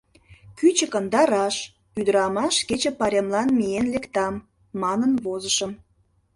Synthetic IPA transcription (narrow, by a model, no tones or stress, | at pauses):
kyt͡ɕəkənd̪ɑɾɑʃ | yd̪əɾɑmɑʃket͡ɕə̆pɑɾʲemlɑnmienlekt̪ɑmː | ɑnənβozəʃəm